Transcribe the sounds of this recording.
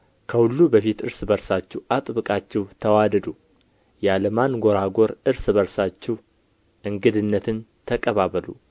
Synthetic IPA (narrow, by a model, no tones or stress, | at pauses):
kʰəhulːubəfit̪ɨɾsbəɾsat͡ʃːɛwʔat̪ʼβɨkʼat͡ʃːɛwt̪ʰəwad̪əd̪u | jaləmanɡo̞ɾaɡo̞ɾɨɾsɨbəɾsat͡ʃːɛh | ʔɨŋɡɨd̪ɨnːət̪ʰɨnt̪ʰəkʼəβaβəlṵ